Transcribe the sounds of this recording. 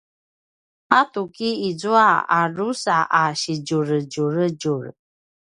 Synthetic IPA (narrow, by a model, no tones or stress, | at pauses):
at̪ukiid͡zuaa̰rusaʔaɕid͡ʒuɾəd͡ʒuɾəd͡ʒuɾ